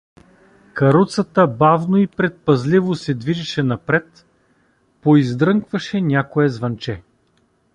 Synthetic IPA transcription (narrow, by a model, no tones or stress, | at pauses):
kɐɾut̪sət̪əbavnoipɾɛt̪̚pɐzlivosɛd̪viʒɛʃɛnɐpɾɛt̪ | poizd̪ɾɤŋkvɐʃɛnʲakoɛzvɐnt͡ʃɛ